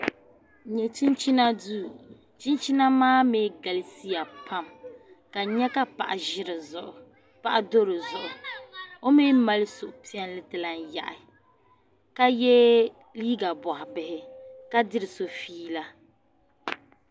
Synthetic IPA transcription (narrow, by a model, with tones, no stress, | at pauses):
ɲɛ˨t͡ʃi˦nt͡ʃi˦na˦du˦ | t͡ʃi˦nt͡ʃi˦na˦maː˦meː˦ɡa˨li˦si˦ja˨pʰa˦m | ka˨ɲɛ˦ka˦pa̰˨ʔa˨ʒɪ˦ɾɨ˨zʊ˨ʔʊ̰˨ | pa˦ʔa˦do˦ɾo˨zʊ˨ʔʊ˨o˦meː˦ma˦lɪ˦sʊ˨ʔʊ˨pi˦ɛ˦n˦lɨ˦tɨ˨la˨n˦ja̰˨ʔɪ˨ | ka˦jɛ˦ | liː˦ɡa˨bɔ˨hɪ˨bɪ˨hɪ˦ka˦dɪ˦ɾɪ˨so˨fiː˦la˦